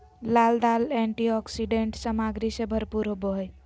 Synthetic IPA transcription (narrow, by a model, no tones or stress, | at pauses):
lald̪alɛɳʈiɔksiɖeɳʈsəmaɡɾisebʱəɾpuɾɦoboɦəj